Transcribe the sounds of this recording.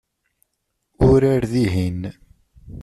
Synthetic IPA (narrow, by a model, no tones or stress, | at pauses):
ʊɾaɾðiɦin